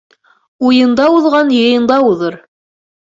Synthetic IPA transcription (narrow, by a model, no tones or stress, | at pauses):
ujɤ̆nd̪ɑuðʁɑnjɤ̆jɤ̆nd̪ɑuðɤɾ